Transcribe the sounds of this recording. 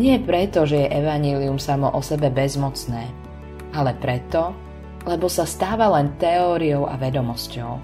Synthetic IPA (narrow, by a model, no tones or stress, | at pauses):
ɲɪɛpɾɛt̪ɔʒɛjɛʔɛʋaɲɪɛːliumsamɔʔɔsɛbɛbɛzmɔt͡snɛː | alɛpɾɛt̪ɔ | lɛbɔsast̪aːʋalɛnt̪ɛɔːɾijɔʊa̰ʋɛd̪ɔmɔscɔʊ